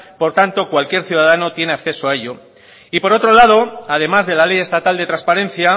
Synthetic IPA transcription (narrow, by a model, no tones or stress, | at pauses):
po̞ɾt̪ant̪o̞kwalkje̞ɾθjuð̞aðano̞t̪je̞ne̞akθe̞soae̞ʎo̞ | ipo̞ɾo̞t̪ɾo̞lað̞o̞aðe̞mazðe̞lale̞je̞st̪at̪ald̪e̞t̪ɾanspaɾẽ̞n̟θja